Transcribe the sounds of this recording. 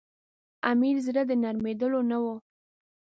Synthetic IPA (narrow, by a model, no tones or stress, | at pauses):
amiɾzɾəd̪ənaɾmed̪əlonawo